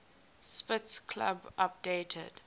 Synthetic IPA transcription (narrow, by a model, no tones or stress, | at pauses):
spɪtskʰla̰bʔap̚deːtʰə̰d̥